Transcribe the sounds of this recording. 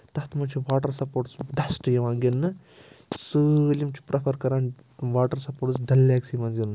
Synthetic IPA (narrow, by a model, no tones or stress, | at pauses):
t̪ɐht̪mɐnt͡ʃʰiʋaːʈɐɾsɐpoːʈsd̪ɐsʈjɐʋaːŋɡinːɨ | sɨlimt͡ʃʰi̥pɾʔɐpʰɐɾkɐɾaːn | ʋaːʈɐɾsɐpoːɾʈsd̪ɐlːaːksimɐnzinːɨ